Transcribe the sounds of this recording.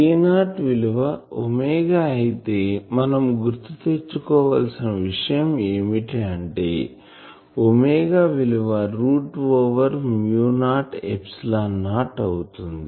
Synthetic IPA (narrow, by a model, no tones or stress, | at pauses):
iːnaːʈʋiliʋɐomɛːɡaːɐjit̪eːmɐnɐmɡuɾt̪it̪et͡ʃːukɔːʋa̰ːlsinɐʋiʂɐjɐmeːmiʈeɐɳʈḛː | omeːɡaːʋiliʋɐɾuːʈʋoːʋɐɾmjuːnaːʈepslaːnaːʈɐwut̪und̪i